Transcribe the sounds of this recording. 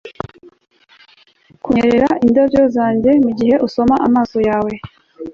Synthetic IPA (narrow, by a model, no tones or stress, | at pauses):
kueɾeɾaʔindovjozaːɲɟe̞muɟiɦe̞ʔuso̞maʔamaːso̞jaːwe̞